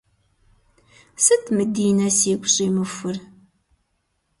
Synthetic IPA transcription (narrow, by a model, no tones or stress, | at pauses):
sət̪ːməd̪ːinæsiɡʷsiməfːəɾ